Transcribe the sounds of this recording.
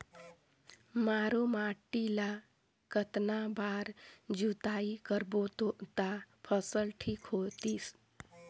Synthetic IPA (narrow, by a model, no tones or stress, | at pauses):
maːɾomaʈːila | kət̪nabaːɾd͡ʒut̪aːikəɾbot̪ot̪apʰəsəlʈʰikɦot̪is